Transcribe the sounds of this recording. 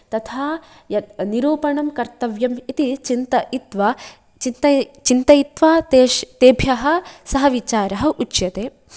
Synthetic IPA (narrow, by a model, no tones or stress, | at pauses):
t̪ɐt̪ʰaː | jɐt̪niɾoːpɐɳɐmkɐɾt̪ɐʋjɐmit̪it͡ʃint̪ɐit̪ʋɐ | t͡ʃint̪ɐt͡ʃint̪ɐit̪ʋɐt̪eʃt̪eːbʱjɐɦɐ̆sɐɦɐʋit͡ʃaːɾɐɦɐ̆ʔut͡ʃjɐt̪eː